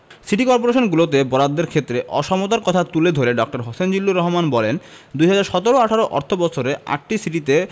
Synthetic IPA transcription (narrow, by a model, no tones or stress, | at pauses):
siʈikɔɾp̬oɾeʃonɡulot̪ebɔɾad̪ːeɾkʰet̪ːɾeʔɔ̰ʃɔmot̪aɾkɔt̪ʰat̪uled̪ʱoɾeɖɔk̚ʈaɾɦosend͡ʑilːuɾɔɦomanbɔlen | d̪ujɦad͡ʑaɾʃɔt̪oɾoaʈʰaɾoʔɔ̰ɾt̪ʰobɔt͡ɕʰoɾea̰k̚ʈisiʈit̪e